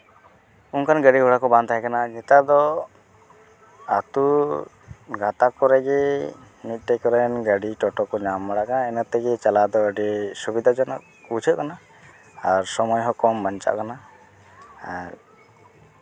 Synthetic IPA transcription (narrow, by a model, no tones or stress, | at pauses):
unkʰanɡəɖiɦɔɽakɔbãnd̪aɦɛkanaɲɛt̪ad̪ɔ | at̪u | ɡat̪akɔɾɛɡɛ | mit̪̚ˀʈɛkɔɾɛnɡəɖiʈɔʈɔkɔɲamːaɽaʔkanaɛnat̪ɛɡɛt͡ʃalad̪ɔəɖɛsubid̪ʱad͡ʒɔnaʔ | ut͡ʃʰəʔ̚kana | aɾsɔmɔjɦɔkɔmbaɲt͡ʃa̰ʔkana | aɾ